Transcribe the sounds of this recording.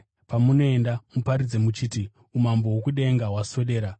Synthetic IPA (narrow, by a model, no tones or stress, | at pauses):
pamuno̞endamupaɾid͡ze̞mut͡ʃiːti | umambo̞wokuɗeŋɡawaso̞ɗe̞ːɾa